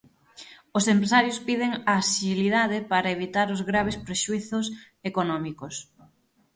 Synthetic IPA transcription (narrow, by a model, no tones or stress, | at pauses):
osempɾesaɾjʊspiðɪŋaːsiliðaðɪpaɾɐeβ̞it̪aɾʊzɣɾaβ̞espɾeʃuiθʊs | ekonɔmikos